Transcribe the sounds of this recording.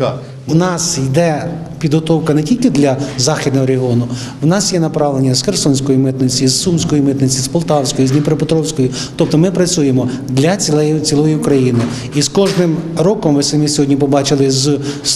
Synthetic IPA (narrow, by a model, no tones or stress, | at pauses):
wnɑsjd̪ɛ | pʲid̪ɦɔt̪ɔwkɐnetʲilʲkɪd̪lʲɐzɑxʲid̪̚nɔɦɔɾeɦiɔnʊ | wnɑsjɛnɐpɾɑʋlˠenʲːɐzxersɔnʲsʲkɔjimɪt̪nɪt͡sʲizːumsʲkɔjimɪt̪nɪt͡sʲizpɔlˠt̪ɑwsʲkɔjiznʲipɾɔpɔt̪ɾɔwsʲkɔjʊ | t̪ɔp̚t̪ɔmɪpɾɐt͡sʲujemɔd̪lʲɐt͡sʲiɛt͡sʲilˠɔjikɾɐjinɪ | iskɔʒnɪmɾɔkɔmʋɪsɐmɪsʲɔɦɔdʲnʲipɔbɑt͡ʃɪlˠɪz